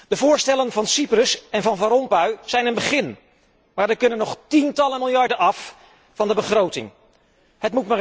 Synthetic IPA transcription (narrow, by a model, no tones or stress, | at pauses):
d̥əvʊːɹstɛlənvɑnsiprəsɛnvɑnvaɾɔmpəɥz̥ɛjnənbəχɪn | maːɹdəkɵnənːɔχtintɑlənmɪlˠjɑɹdənɑf | fɑndəbəχrowtɪ̰ŋ | ɦətmutmaː